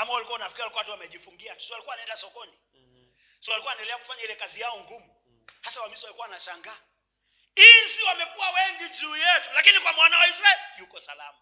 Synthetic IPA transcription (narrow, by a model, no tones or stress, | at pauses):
amawalikuanafikiɾalikuatuwamɛʄifuŋɡiatu̥swalikuwanaɛndasɔkɔni | siwalikuaɛndɛlɛaku̥faɲailɛkazijaɔŋɡumu | hasawamiswamɛkuawanaʃaŋɡaː | insiwamɛkuawɛŋɡid͡ʒuːjɛtulakinikwamwanawaisɾaɛlijukɔsalama